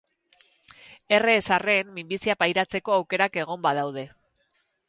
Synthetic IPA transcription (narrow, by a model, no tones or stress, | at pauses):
e̞re̞ːsare̞mmimbisiapajɾat͡se̞ko̞awke̞ɾake̞ɣ̞o̞mbað̞awð̞e̞